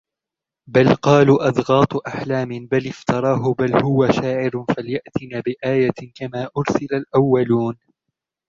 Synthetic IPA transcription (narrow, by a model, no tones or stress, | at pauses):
balqɑːluːʔɑd̪ɣɑːt̪ˤʔaħlaːmɪbalɪft̪ɑɾˤɑːɦʊbalhʊwaʃaːʕɪɾfaljaʔt̪ɪnaːbɪʔaːjakamaːʔʊɾsɪlalʔawːaluːn